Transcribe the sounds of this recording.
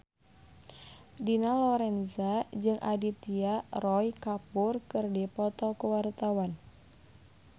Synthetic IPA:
dinalɔɾɛnzad͡ʒɨŋʔa̰dit̪iarɔjkapʊrkɨrdipɔt̪ɔkuwart̪awan

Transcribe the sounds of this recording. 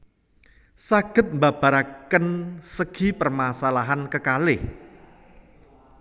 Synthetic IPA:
saɡ̥ə̤t̪̚mbab̥a̤ɾakənsəɡ̥i̤pərmasalaɦankəkalɪh

